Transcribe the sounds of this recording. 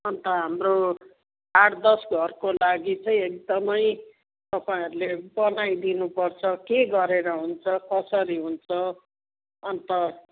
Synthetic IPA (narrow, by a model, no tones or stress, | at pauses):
ʌnt̪ʌɦamro | aɽd̪ʌsɡʱʌrkolaɡit͡sʌ̃j̃ek̚d̪ʌmʌj | t̪ʌpaĩɦʌɾulebʌnajd̪inupʌrt͡sʰʌkeɡʌɾeɾʌɦunt͡sʰʌkʌsʌɾiɦunt͡sʰʌ | ʌnt̪ʌ